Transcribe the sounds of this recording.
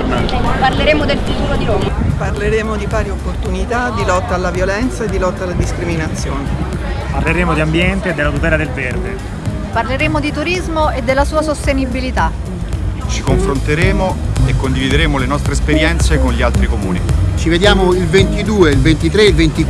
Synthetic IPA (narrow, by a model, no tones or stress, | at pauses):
parleɾeːmod̪elfut̪uːɾod̪inoparleɾeːmod̪ipaːɾjeopːort̪unit̪ad̪ilɔt̪ːaːlːavjolɛnt̪saed̪ːilɔt̪ːaːlːad̪iskɾiminat̪sːjoːne | parleɾeːmod̪iambjɛnt̪eːd̪ːelat̪up̪ɛːlad̪elverd̪e | parleɾeːmod̪it̪uɾizmoed̪ːelːasuːasost̪enibilit̪a | t͡ʃikoɱfɾont̪eɾeːmoekːond̪ivid̪eɾeːmolenɔst̪ɾeːspeɾjɛnt̪sekonʎialt̪ɾikomṵːnḭt͡ʃived̪jaːmoilvent̪id̪uːeilvent̪it̪ɾeilvent̪i